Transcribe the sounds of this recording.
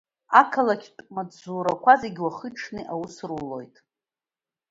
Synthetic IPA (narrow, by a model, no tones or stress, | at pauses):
akʰalakʲʰtʼmad͡zzuɾakʷʰazeɡʲwaχəʈ͡ʂʰnɨʔawusrulo̞̰jtʼ